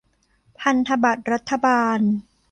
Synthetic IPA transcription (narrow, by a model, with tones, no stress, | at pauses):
pʰa˧nt̪ʰa˧ba˨˩t̪̚ɾa˦˥t̪ʰːa˧baː˧n